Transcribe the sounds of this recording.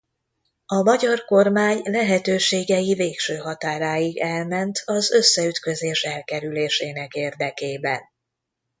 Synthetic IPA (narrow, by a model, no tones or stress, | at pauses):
ɒmɒɟɒrko̞rmaːɲlɛɦɛt̪øːʃeːɡɛjiveːkʃøːɦɒt̪aːɾaːjiɡɛlmɛnt̪ʰɒzø̞sːɛyt̪kø̞zeːʃɛlkɛɾyleːʃeːnɛkeːrd̪ɛkeːbɛn